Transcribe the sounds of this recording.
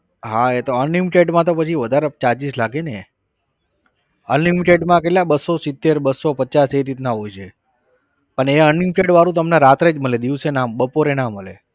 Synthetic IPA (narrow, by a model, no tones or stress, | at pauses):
ɦaet̪oənlimiʈeɖmãt̪opət͡ʃʰiʋəd̪ʱaɾet͡ʃat͡ʃislaɡene | ənlimiʈeɖmãk̬eʈlabəsːosit̪ːeɾbəsːopət͡ʃaseɾit̪naɦojt͡ʃʰe | pəɳeənlimiʈeɖʋaɾũt̪̬əmnaɾat̪ɾed͡ʒməled̪iʋsenambəpoɾenaməlḛ